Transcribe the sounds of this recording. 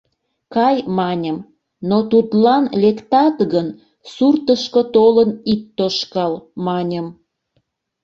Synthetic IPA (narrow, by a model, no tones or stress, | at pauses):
kɑjmɑnʲəm | not̪ut̪lɑnlekt̪ɑt̪ɣən | surt̪əʃkot̪olənit̪ːoʃkɑlmɑnʲəm